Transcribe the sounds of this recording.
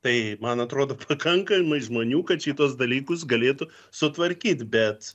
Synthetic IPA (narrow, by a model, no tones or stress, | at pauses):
t̪ɐɪmɐnɐt̪ɾoːd̪oːpʰɐkɐŋkɐmɐɪʒmoːnʲuːkɐt̪t͡ʃʲiːt̪uɔs̬d̪ɐlʲiːkʊsɡɐlʲeːt̪ʊ | sʊt̪ʋɐɾʲkʲiːt̪bʲɛt̪